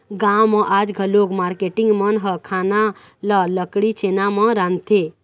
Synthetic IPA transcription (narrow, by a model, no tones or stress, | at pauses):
ɡamɔ̃ʔaːd͡ʒɡʱəlokmaːɾkeʈɪ̃ŋɡmənɦəkʰaːnalələkɽit͡ʃeːnamə̃ɾãnt̪ʰe